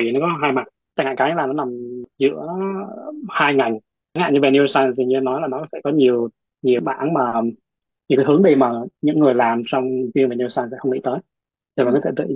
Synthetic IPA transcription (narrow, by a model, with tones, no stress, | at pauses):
nɔ˨˦kɔ˨˦ɦaː˧jma˨˩t̚ | t͡ɕa˧˩ŋa̰ː˧˨˩kaː˨˦ja˧˦laː˨˩nɔ˨˦na˨˩mzɨ̰˧˥ə | haː˧jŋa˨˩j | ŋha̰ː˧˨nɲɨ˧ve˨˩ni˧sa˧nt̪i˨˩ɲɨ˧˨˦nɔ˨˦jlaː˨˩nɔ˨˦kɔ˨˦sɛ̰˧˥˩kɔ˨˦ɲi˨˩əw | ɲi˨˩əwɓa̰ː˧˩nmaː˨˩ | ɲɨ̰˧˥ŋka˨˦ɦɨ˨˦əŋɗi˧˩maː˨˩ɲɨ̰˧˥ŋːɨ˨˩əjlaː˨˩msɔ˧wŋ͡mvi˧ənve˨˩ni˧saː˧nsɛ̰˧˥xə˧wŋḭ˧˥t̪əː˨˦j | zt̪ʰːt̪ɨ̰˧˨